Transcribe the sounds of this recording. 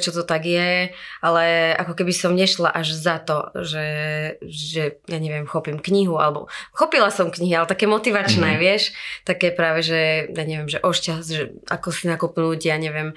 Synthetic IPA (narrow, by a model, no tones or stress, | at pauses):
t͡ʃɔt̪ɔt̪aɡjɛʔalɛa̰kɔkɛbisɔmɲɛʃlaʔaʒzat̪ɔʒɛ | ʒɛjaɲɛʋɪɛmxɔpimkɲiɦua̰lɛbɔ̰xɔpilasɔmkɲiɦialɛt̪akɛːmɔt̪iʋat͡ʃnɛːʋɪɛʃt̪akɛːpɾaːʋɛʒɛjaːɲɛʋɪɛmʒɛʔɔʃcasʒɛa̰kɔsinakupnucjaːɲɛʋɪɛm